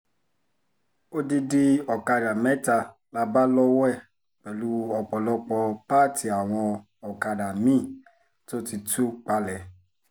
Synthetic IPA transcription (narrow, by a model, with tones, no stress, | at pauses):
o˦di˧di˧ɔ˨ka˧da˨mɛ˨˦ta˧ | la˧ba˦lɔ˦wɛ˦˨ | k͡pɛ˨lu˦ɔ˨k͡pɔ˨lɔ˧k͡pɔ˧pa˦˨tʰi˨a˨w̃ɔ̃˧ | ɔ˨ka˧da˨mĩ˦˨ | to˦ti˧tu˦k͡pa˧lɛ˨